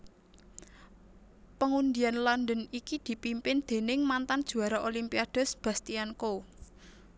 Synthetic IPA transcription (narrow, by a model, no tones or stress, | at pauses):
pəŋund̪ianlɔnd̪ənikid̪̥i̤pimpɪnd̪̥e̤nɪŋmant̪and̥ʒ̥ṳaɾaʔolimpiad̥ʊ̤sb̥a̤st̪ianko